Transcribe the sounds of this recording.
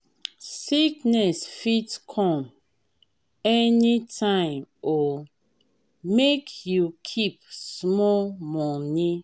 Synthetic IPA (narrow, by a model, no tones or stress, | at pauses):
siknɛsfitkʰɔ̃m | ɛnitʰãɪ̃mɔ | mekjukʰip̚smɔlmɔni